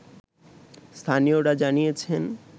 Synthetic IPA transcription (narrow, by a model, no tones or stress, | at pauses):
st̪ʰanijoɽad͡ʑanijet͡ɕʰen